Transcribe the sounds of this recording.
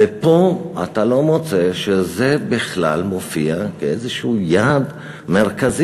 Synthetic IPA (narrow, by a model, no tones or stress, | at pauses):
epo̞a̰talo̞mot͡se̞ʃezebiχla̰lmo̞fiakeezeʃujad̪ | me̞ʁkazi